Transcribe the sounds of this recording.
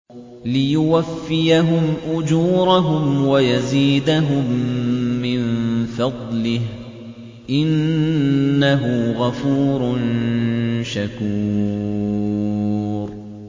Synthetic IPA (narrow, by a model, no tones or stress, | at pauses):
lɪjʊwafːɪjaɦʊmʔʊd͡ʒuːɾaɦʊmwajaziːd̪aɦʊmː | ɪnfɑd̪ˤlɪh | ʔɪnː | aɦʊɣafuːɾˤʊn | ʃakuː | ɾ